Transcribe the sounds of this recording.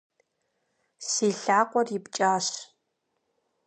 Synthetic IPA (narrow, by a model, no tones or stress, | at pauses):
siːɬaːqʷɔrjɪpt͡ʃʼaːɕ